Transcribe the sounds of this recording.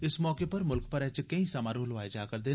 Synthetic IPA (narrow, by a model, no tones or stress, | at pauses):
ɪsmɔːkeːpəɾmʊlkpəɾɛt͡ʃkəĩsəmãːɾoːlʋaːeːd͡ʒaːkəɾd̪eː